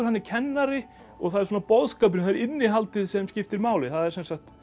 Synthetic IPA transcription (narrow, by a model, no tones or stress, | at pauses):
ʏɾhanːɪcʰɛnːaɾɪ | ɔɣθaðɛɾsuːnapɔðskap̬ɪnθaðɛɾɪnːɪɦalt̪ɪðsɛmscɪft̪ɪɾmaːwlɪθaðɛɾ̥sɛnsaxt̪